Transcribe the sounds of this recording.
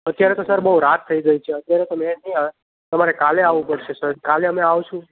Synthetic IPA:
ət̪jaɾet̪osəɾbəɦuɾat̪ʰːəiɡəit͡ʃʰeət̪jaɾet̪omẽnĩaʋe | t̪əmaɾekaleaʋũpəɽʃesəɾkaleəmeaʋt͡ʃʰũ

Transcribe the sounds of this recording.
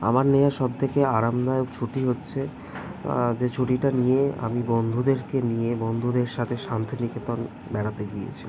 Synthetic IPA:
a̰maɾnejaɾʃɔb̚t̪ʰekeaɾamd̪ajokt͡ɕʰuʈiɦotːɕʰe | d͡ʑet͡ɕʰuʈiʈanijea̰mibond̪ʱud̪eɾkenijebond̪ʱud̪eɾʃat̪ʰeʃant̪ʰiniket̪on | bɛɽat̪eɡijḛt͡ɕʰi

